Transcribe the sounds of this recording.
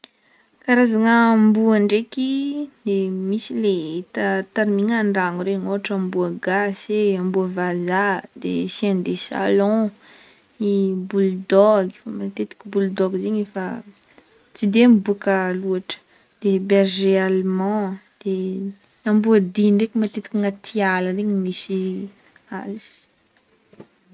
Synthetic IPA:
kaɾazaŋəambuəɳɖ͡ʐekid̪emisilet̪at̪aɾimiŋaɳɖ͡ʐaŋuɾenoaʈ͡ʂambuəɡaseãmbuəvazad̪ḛsɛ̃nd̪esa̰lõ | ibuld̪ɔɡifamat̪et̪i̥kʲibuld̪ɔɡiziɲefa | t͡sid̪emibukaluaʈ͡ʂə̥ | d̪̥ebɛrʒealmɑ̃d̪̥e | ambuəd̪inrekimat̪et̪i̥kʲiŋat̪ʰialəɾeɲimisi | az̥i̥

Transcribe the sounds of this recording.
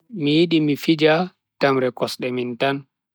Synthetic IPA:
mijiɗimifid͡ʒa | tamɾɛkɔsɗɛmintan

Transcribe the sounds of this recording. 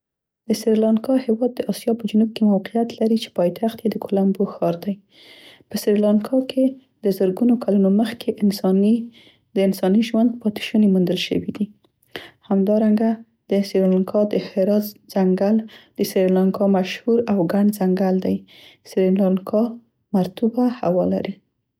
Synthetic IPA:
d̪̥əsɾilɑnkɑhewɑd̪̚ːəʔɑsjɑpəd͡ʒunub̚kemawqejat̪laɾit͡ʃe̥pɑjt̪ʰaxt̪jed̪əkʰʊlamboxɑɾd̪aj | pəsɾilɑnkʰɑkʰe | d̪̥əzəɾɡunokalunoməxkʰeʔ | d̪əɪnsɑniʒwand̪pɑt̪ɪ̥ʃunemund̪əlʃə̰wid̪i | hamd̪ɑɾaŋɡa | d̪̥əsiɾilɑŋkʰɑd̪əhɪɾɑzzaŋɡald̪̥əsɾilɑnkɑmaʃhuɾawɡaɳɖzaŋɡald̪ajsɾilɑnkʰɑ | maɾt̪ubaha̰wɑla̰ɾi

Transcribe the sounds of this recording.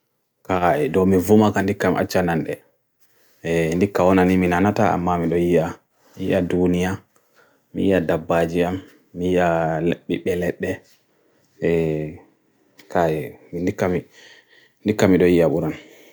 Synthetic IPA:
kaɛdɔmivumakandikːamʔa̰t͡ʃːananɗɛ | ɛndikːawɔnaniminanataa̰mːamiɗɔjiʔa | jiʔadunija | mḭjiʔadabːad͡ʒiamː | ijijʔalɛɓiɓɛlɛɗːɛ | ɛ | kʰaɛmindikːami | ndikːamiɗɔjijaɓuɾan

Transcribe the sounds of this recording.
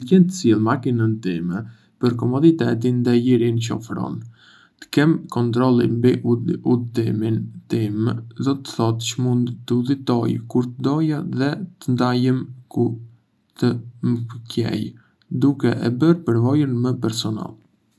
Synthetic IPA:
kɛnt̪ə̥silˠmakinənt̪imə | pəɾk̬ɔmɔd̪it̪ɛt̪̬ind̪ajəɾint͡ʃɔ̰fɾɔ̰n | t̪ə̥kɛmkɔnt̪ɾɔlˠḭmbiut̪imint̪imzɔt̪ə̥θɔt̪t͡ʃəmund̪t̪əuðit̪ɔjkuɾt̪əd̪ɔjaðɛt̪ənd̪ajəmkuɾ | t̪əməpəkɛ̰j | d̪ukɛʔɛbəɾpəɾvɔjənməpɛɾsɔna̰lˠ

